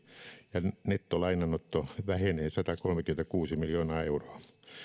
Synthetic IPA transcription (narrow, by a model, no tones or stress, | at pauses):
jɑnet̪ːolɑinɑnot̪ːoʋæheneːnsɑt̪ɑkolmekyment̪ækuːsimiljoːnɑːeuroɑ